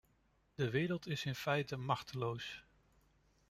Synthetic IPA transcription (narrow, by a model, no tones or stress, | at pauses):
d̥əʋɪːɾəlˠtɪsɪnfɛjtəmɑχtəlows